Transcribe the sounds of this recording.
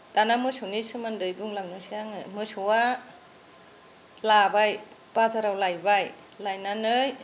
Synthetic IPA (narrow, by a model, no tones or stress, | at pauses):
d̥anamɯsɯwnisɯmandɯjbuŋlaŋnɯsiaŋɯmɯsɯwa | labaj | b̥azaɾawlajbaj | lajnanɯj